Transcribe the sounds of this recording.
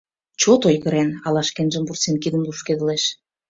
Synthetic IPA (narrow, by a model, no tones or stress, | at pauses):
t͡ɕot̪ojɣə̆ɾenɑlɑʃkenʒə̆mburt͡senkid̪ə̆mlˠuʃked̪əleʃ